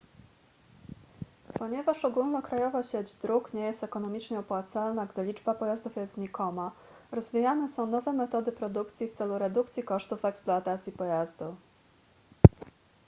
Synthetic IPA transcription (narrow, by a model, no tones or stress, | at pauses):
pɔɲɛvaʂɔɡulnɔkɾajɔvaɕɛd͡ʑd̪ɾukɲɛjɛst̪ɛkɔnɔmʲit͡ʂɲɛɔpwat̪salnaɡd̪ɘlʲid͡ʐbapɔjazd̪ufjɛst̪ɲikɔma | ɾɔzvʲijanɛsɔ̃w̃nɔvɛmɛt̪ɔd̪ɘpɾɔd̪ukt̪sʲift̪sɛluɾɛd̪ukt̪sʲjikɔʂt̪ufɛkspluat̪at̪sʲjipɔjazd̪u